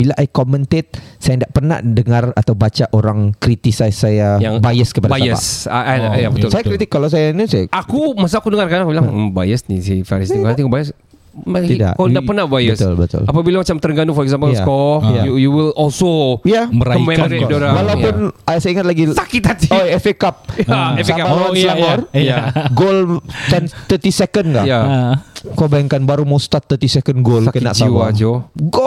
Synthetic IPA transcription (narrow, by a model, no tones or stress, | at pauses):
bilaʔajkɔmənt̪et̪̚sajandaʔpərna̰hdəŋarat̪awbat͡ʃaʔoɾaŋkɾit̪isasajajaŋbajəskəpadabajə̰saajabət̪ʊsajakkɾit̪ɪkːalaws̬ajanisajʔakumas̬aakudəŋarkaakubilabajəsnisifaɾisit̪ifaɾant̪ikubajəs | at̪ida̰ʔkdapərnahbajəbəst̪ʊ̰lbət̪ʊ̰lapabilamat͡ʃamt̪ərɡanʊŋfɔɾɛksampəlskɔjajujuwilɔlsojabəɾakɔimɛkmɔɾɛdoɾawalapʊnasaaiŋat̪̚laɡisakit̪hat̪ioɛfekap̚ɛfapaaiamɔrjaɡolt̪ɛnt̪ət̪isɛkənka̰ʔja | kabajaŋkanbaɾumost̪at̪ːət̪isɛkənɡolsakənaʔt͡ʃaiwad͡ʒoɡo